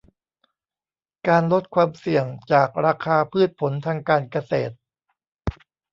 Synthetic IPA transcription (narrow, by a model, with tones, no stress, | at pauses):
kaː˧nlo˦˥t̪̚kʰwaː˧msi˨˩əŋt͡ɕaː˨˩k̚ɾaː˧kʰaː˧pʰɯː˥˩t̪̚pʰo˩˦nt̪ʰaː˧ŋkaː˧nka˧seː˨˩t̪̚